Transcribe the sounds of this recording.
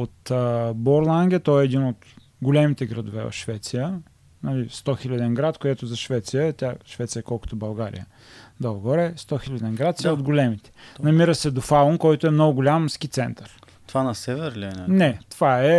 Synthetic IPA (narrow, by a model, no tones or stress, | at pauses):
ot̪əboɾlˠaŋɡʲɛt̪ɔɛːd̪inot̪ | ɡʊlʲɛmit̪ɛɡɾɐd̪ʊvɛ̰vɐ̰fʃvɛt̪sijə | nɐlist̪ɔxilʲɐd̪ɛnɡɾat̪koɛt̪ʊzɐʃvɛt̪sijət̪ʲaʃvɛt̪sijəkɔlˠkʊ̥t̪obɐlˠɡaɾḭjə̰ | d̪ɐlˠɡɔɾɛst̪ɔxilʲɐd̪ɛnɡɾat̪sɛod̪ɡolɛmit̪ɛ̥nɐmiɾəsɛd̪ofalˠonkɔjt̪oɛmnɔɡʊɡʊlʲamsk̟it̪sɛnt̪əɾ | t̪vanɐsɛvɛɾlʲɛnanɛt̪ovaɛ